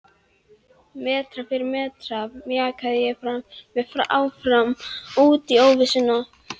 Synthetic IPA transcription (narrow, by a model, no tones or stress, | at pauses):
mɛːt̪ɾafɪɾɪɾmɛːt̪ɾavmɛakʰaðɪjɛfɾamvɛfɾaaːwfɾamuːt̪ioːwvɪsɪna